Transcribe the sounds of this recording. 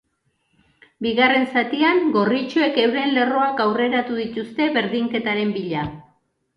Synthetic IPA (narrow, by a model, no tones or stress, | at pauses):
biɣare̞nsat̪iaŋɡo̞rit͡ʃoe̞ke̞wɾe̞nle̞ro̞akawre̞ɾat̪uðit̪ust̪e̞βe̞ɾðiŋke̞t̪aɾe̞mbiʎa